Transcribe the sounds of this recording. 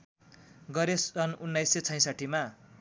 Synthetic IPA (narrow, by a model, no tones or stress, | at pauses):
ɡʌɾesʌnunːajset͡sʰʌj̃saʈʰima